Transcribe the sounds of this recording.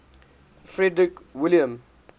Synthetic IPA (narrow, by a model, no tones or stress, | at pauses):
fɹɛdɹɪkwɪljə̃m